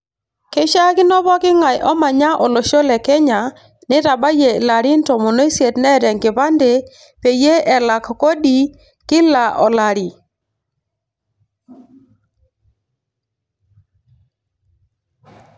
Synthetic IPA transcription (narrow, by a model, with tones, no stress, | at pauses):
ke˦ʃa˦kɪ˦nɔ˦βɔ˦kɪ˦ŋa˨jʔɔ˦ma˨ɲa˦ʔɔ˨lo˨ʃo˦lɛ˨kɛ˦ɲa˨ | nɪ˦ɾa˨ba˦je˨la˨ɾi˦n˦tɔ˨mo˨no˦i˦sje˨tnɛ˦ɾɛ˨ŋɡɪ˨βa˦nde˨ | pe˨je˦ʔɛ˨la˨kko˦ɗi˨ | kɪ˦la˨ʔɔ˨la˨ɾi˨